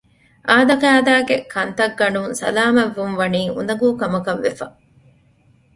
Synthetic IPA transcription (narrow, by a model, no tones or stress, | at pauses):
ʔaːd̪ɐkæːd̪aːɡekʰɐnt̪ɐɡːɐnuŋsɐ̰laːmɐʋːunʋɐniːʔṵnd̪ɐɡuːkɐmɐkɐʋːefɐ